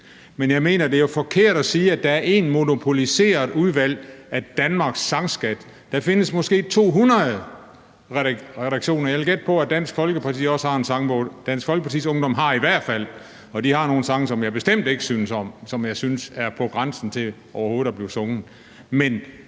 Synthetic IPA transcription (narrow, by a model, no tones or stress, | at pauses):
menjɑ̈ɪme̝̰ːnɐd̥e̝æjo̝fɒ̽kʰe̝ɐ̰ɾ̥ɒsiːæd̥ææɐʔe̝nmo̝no̝pʰo̝lise̝̰ːɐð̩ˠuðˠʋæl̰æd̥ænmɑ̈ːɡ̥sːɑ̈ŋsɡ̥æd̥ | d̥æfe̝nəsmɒ̽sɡ̥e̝̰ːt͡sʰo̝̰ːɦunɐðˠ | ʁʁɛɾɑ̈ɡ̥ɕo̝̰ːnɐjaʋelɡ̥ed̥̚pʰɒ̽æd̥æn̰sɡ̥fɒ̽lɡ̥əpʰɑ̈t͡sʰḭɒ̽səhɑ̈e̝nsɑ̈ŋəb̥ɒd̥æn̰sɡ̥fɒ̽lɡəpʰɑ̈t͡sʰḭːsɔ̽ŋd̥ɒ̽mɦɑ̈iʋæɐ̰d̥fæl̰ | ɒ̽d̥ihɑ̈no̝ːn̩sɑ̈ŋsɒ̽mjɑ̈ɪb̥e̝sd̥em̰d̥e̝ɡ̥əsynəsɒ̽m̰sɒ̽mjɑ̈ɪsynsæɐpʰɒ̽ɡ̥ʁɑ̈nsn̩t͡sʰe̝ | ʔɒʊɐho̝ːð̩ˠæb̥liʊsɔ̽ŋð̩ | men